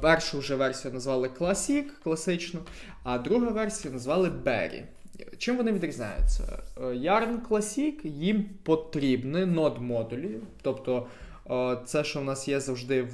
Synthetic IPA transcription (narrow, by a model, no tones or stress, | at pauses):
pɛrʃʊʊʒɛʋɛrsʲijɐnɐzʋɑlˠɪklˠɐsʲikːlˠɐsɪt͡ʃnɔ | ɐd̪ɾuɦɐʋɛrsʲijɐnɐzʋɑlˠɪbɛ̰ɾʲḭ | t͡ʃɪmʋɔnɪʋʲid̪ɾʲizʲnʲa̰jʊ̰t͡sʲːɐ̰jɑrnklˠɐsʲikjimpɔt̪ɾʲibnɪnɔd̪mɔd̪ʊlʲijʊt̪ɔpt̪ɔ | t̪sɛʃt͡ʃɔwnɑsjɛzɐwʒd̪ɪw